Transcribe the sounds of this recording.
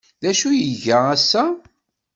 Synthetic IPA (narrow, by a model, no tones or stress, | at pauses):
ðæʃujəʝææsːæ